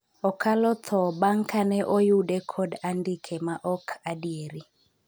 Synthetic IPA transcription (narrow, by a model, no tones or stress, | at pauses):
ɔkʰalɔt̪ʰɔbaŋkanɛʔɔjudɛkʰɔdandikʰemaʔɔkʰadieɾi